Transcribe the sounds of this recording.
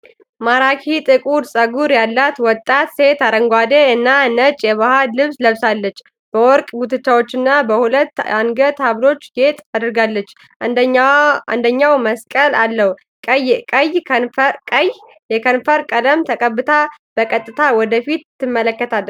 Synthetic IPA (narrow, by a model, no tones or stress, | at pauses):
maɾakʰit̪ʼɨkʼuɾsʼəɡuɾjalːat̪wɔt̪ʼːat̪se̞t̪aɾəŋɡʷad̪eɨnːaɨnət͡ʃʼjɛβahalɨβsləβsalːət͡ʃː | b̥əwɔɾkʼɡut̪ʰɨt͡ʃːawo̞t͡ʃːɪnːabəhulət̪ːaŋɡət̪aβlo̞t͡ʃːɡe̞t̪ʼad̪ɨɾɨɡalːət͡ʃː | a̰nd̪əɲːawməskʼəlalːəhu | kʼjkʼəjkʼəj | jɛkʰənfəɾkʼələmt̪ʰəkʼəbːɨt̪ʰab̥əkʼət̪ʼːɨt̪ʰawɔd̪əfit̪ːɨmːələkːət̪ʰalːə